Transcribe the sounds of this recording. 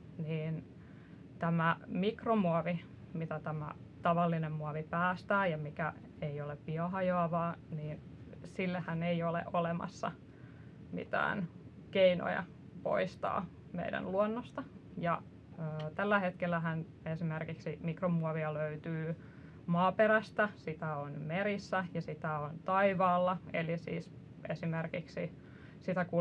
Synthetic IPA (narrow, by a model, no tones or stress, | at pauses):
niːn | t̪æmæmikromuɑʋi | mit̪æt̪æmæ̰ | t̪ɑʋɑlːinemmuɑʋipæːst̪æːjɑmikæ | eioleppiɑhɑjoɑʋɑːniːn | silːehæneiolḛʔolemɑ̰sːɑ̰ | mḭt̪æ̰ːn | keino̰jɑ̰ | po̰ist̪ɑ̰ː | mḛidæ̰nluonːost̪ɑ | jɑː | t̪ælːæhet̪kelːæɦæn | esimerkiksimikromuɔʋiɑløyt̪yː | mɑːpeɾæst̪æsit̪æonmeɾisːæjɑsit̪æont̪ɑiʋɑːlːɑḛlisḭːs | esimerkiksi | sit̪æku